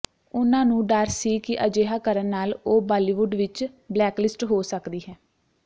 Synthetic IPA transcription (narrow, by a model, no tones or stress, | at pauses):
ʊnãːnũːɖəɾssiːkɪʔəd͡ʒeːɦaːkəɾənːaːloːbaːliːʋʊɖʋɪt͡ʃ | blɛːklɪsʈɦoːsəkd̪iːɦɛː